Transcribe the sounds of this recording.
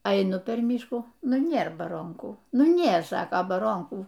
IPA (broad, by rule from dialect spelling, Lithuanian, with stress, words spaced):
ɐɪˈnʊ pʲɛr ˈmʲiːʃkuː ˈnʊ ˈnʲeːr bɐˈroːŋkuː ˈnʊ ˈnʲeːr ˈsɑːkɐ bɐˈroːŋkuː